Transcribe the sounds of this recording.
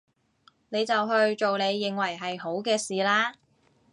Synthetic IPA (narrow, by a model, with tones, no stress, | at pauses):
ne˨˧jt͡sɐ˨wɦɵ˧ɥt͡ʃo˨wne˨˧jːɪ˨ŋwɐ˨˩jɦɐ˨jɦo˨˥wkɛː˧siː˨˩laː˥